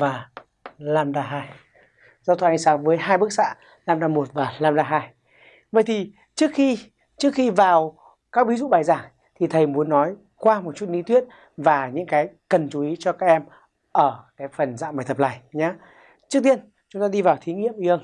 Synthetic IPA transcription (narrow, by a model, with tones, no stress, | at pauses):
vaː˨˩ | laː˧mɗaː˧ɦaː˧j | zaː˧wt̪ʰə˧˩ʔa˧jŋsaː˨˦ŋvəː˨˦jhaː˧jɓɨ˦˥k̚sa̰ː˧˥ | laː˧mɗaː˧mo˨˩t̚vaː˨˩laː˧mɗaː˧ɦaː˧j | və̰˧˨jt̪ʰi˨˩ | t͡ɕɨ˦˥ək̚xi˧ | t͡ɕɨ˦˥ək̚xi˧vaː˨˩w | kaː˦˥k̚vi˨˦zṵ˧˨ɓaː˨˩jzaː˧˩ŋ | t̪ʰi˨˩t̪ʰə˨˩jmu˨˦ənːɔ˨˦j | kwaː˧mo˨˩t̚t͡ɕu˦˥t̚ni˧˦t̪wi˦˥ət̚ | vaː˨˩ɲɨ̰˧˥ŋkaː˨˦jkə˨˩nt͡ɕu˨˦ʔi˨˦t͡ɕɔ˧kaː˦˥k̚ʔɛ˧m | ʔəː˧˩kaː˨˦jfə˨˩nza̰ː˧˨maː˨˩jt̪ə˨˩p̚la̰ː˧˨˩jɲaː˨˦ | t͡ɕɨ˦˥k̚t̪i˧ən | t͡ɕʊ˨˦ŋ͡mt̪aː˧ɗi˧vaː˨˩wt̪ʰi˨˦ŋḭ˧˨əmʔi˧ə˧ŋ